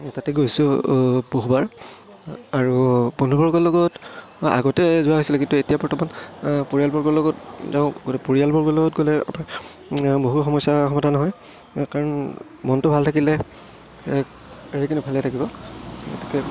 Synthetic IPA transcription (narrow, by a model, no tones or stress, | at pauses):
tatɛɡojsʊboɦubaɹ | aɹupɔnubɔɹɡɔlɔɡɔta̰ɡɔtɛzʊwaɦojsilɛkintuetijapɔɹtʰɔmanpoɹijalbɔɹɡɔlɔɡɔtzaʊ̃ɡotɛpoɹialbɔɹɡɔlɔɡɔt̚ɡolɛa̰pa | boɦuxɔmɔjsaxɔmɔdanɔɦɔj | kaɹɔn | mɔntʊbʱaltʰakilɛ | eɹikʰinibʱalɛtʰakibɔɛ̰tɛ̥kɛ